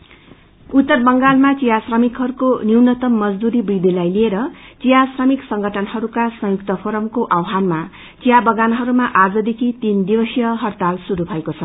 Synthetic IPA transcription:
ut̪ːʌrbʌŋɡalmat͡sijasrʌmikɦʌɾukoniwnʌt̪ʌmːʌd͡zd̪uɾibid̪ilajlieɾʌt͡sijasrʌmiksʌŋɡʌʈʰʌnɦʌɾukasʌ̃jukt̪ʌpʰoɾʌmkoʔawɦanma | t͡sijabʌɡanɦʌɾumaʔad͡zʌd̪ekʰit̪ind̪ibʌsjʌɦʌrt̪alsuɾubʱʌekot͡sʰʌ

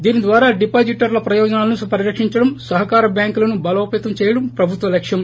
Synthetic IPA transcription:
d̪iːnid̪ʋaːɾaːɖipaːd͡ʒiʈɐɾlɐpɾɐjɔːd͡ʒɐnaːlɐnupɐɾiɾɐkʂiɲt͡ʃɐɽɐmsɐɦɐkaːɾɐbjaːŋkulɐnubɐlɐːpeːt̪ɐmt͡ʃɛːjɐɽɐmpɾɐbʱut̪ʋɐlɐkʂjɐm

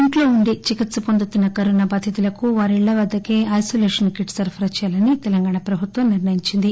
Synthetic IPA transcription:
iɳʈlo̞ːuɳɖit͡ʃikit̪sɐpond̪ut̪unːɐkɐɾunɐbɐd̪ʰʱit̪ulɐkuʋaːɾiɭːɐʋɐd̪ːɐkeːʔɐjsoːleːʂɐnkiʈsɐɾpʰɐɾɐt͡ʃɛjaːlɐnit̪ɛlɐŋɡaːɳɐpɾɐbʱut̪ʋɐmniɾnɐjiɲt͡ʃind̪i

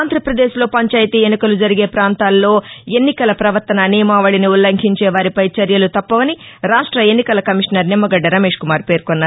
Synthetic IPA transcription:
aːnd̪ʱɾɐpɾɐd̪eːʃlo̞ːpɐɲt͡ʃaːjt̪ienːikɐlud͡ʒɐɾiɡe̞ːpɾaːnt̪aːlːo̞ːe̞nːikɐlɐpɾɐʋɐɾt̪ɐnɐniːmaːʋɐɭiniulːɐŋkʰiɲt͡ʃɛːʋaːɾipɐjt͡ʃɐɾjɐlut̪ɐpːɐʋɐniɾaːʂʈɾɐe̞nːikɐlɐkɐmiʂnɐɾnimːɐɡɐɖːɐɾɐmeːʂkumaːɾpe̞ːɾkonːaː

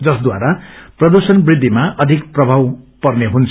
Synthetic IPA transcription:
d͡zʌsd̪wa̰ɾaprʌd̪usʌnbrid̪ʱːimaʔʌd̪ʱikprʌbʱawpʌrneɦunt͡sʰ

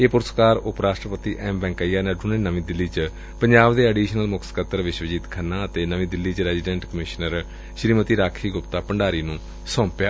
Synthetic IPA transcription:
eːpʊɾəskaːɾʊpɾaːʃʈɾəpət̪iːʔɛːmbɛ̃ːŋkaijaːnɛɖuːneːnəʋĩːd̪ɪlːiːt͡ʃ | pəɲd͡ʒaːbd̪eːəɖiːʃənəlmʊkʰsə̥kət̪əɾʋɪʃʋəd͡ʒiːt̪kʰənːãːət̪eːnəʋĩːd̪ɪlːiːt͡ʃɾɛːziɖɛ̃ːɳʈkəmɪʃnəɾ | ʃɾiːmət̪iːɾaːkʰiːɡʊpt̪aːpəɳɖaːɾiːnũː | sɔ̃ːmpjaː

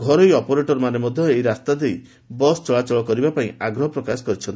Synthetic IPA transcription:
ɡʱɔɾɔjɔpoɾeʈɔɾmanemɔd̪ʱjɔejɾast̪ad̪ej | bɔst͡ʃɔɭat͡ʃɔɭɔkɔɾibapaĩaɡɾɔɦɔpɾɔkasɔ̥kɔɾit͡ʃʰɔnt̪i

